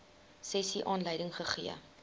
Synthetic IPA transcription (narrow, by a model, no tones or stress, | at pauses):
sɛsiʔɑːnləjdəŋχəχḭə̰